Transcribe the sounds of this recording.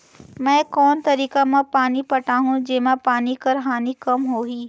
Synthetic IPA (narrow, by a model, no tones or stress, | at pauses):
mɛ̃ːkɔːnt̪ɐɾiːkamãpaːnipɐʈaːɦũd͡ʑeːmãpaːnikɐɾɦaːnikɐmɦoːɦiː